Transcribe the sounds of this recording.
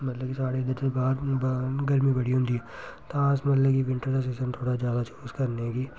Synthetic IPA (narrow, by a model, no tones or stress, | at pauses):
mɐt̪ləbkisaːɽed̪ɐɾsebaːɾbɡɐɾmibɐɽ̤iɦʊ̃nd̪iɛːt̪ãːsmɐt̪ləkiʋɪ̃ɳʈəɾd̪as̬eːsənt̪ʰoːɽad͡ʒjaːd̪at͡ʃʰoːskɐɾneɡiː